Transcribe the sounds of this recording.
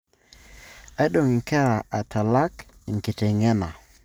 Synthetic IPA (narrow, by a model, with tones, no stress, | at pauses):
a˨˦ɗo˨ŋɪ˨ŋkɛ˦ɾa˨ʔa˨tʰa˨la˦kɪ˨ŋkɪ˨te˨ŋɛ˦na˨